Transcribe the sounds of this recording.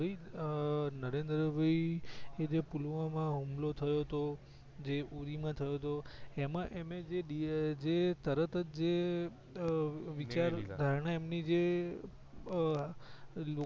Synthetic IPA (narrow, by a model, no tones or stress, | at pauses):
əi | nəɾẽnd̪ɾəʋʱəied͡ʒepulʋãmãɦumlot̪ʰəjot̪o | d͡ʒeʔuɾimãt̪ʰəjot̪oemãʔemed͡ʒeɗid͡ʒet̪əɾət̪əd͡ʒd͡ʒe | ʋit͡ʃaɾd̪ʱaɾɳaemnid͡ʒe | lo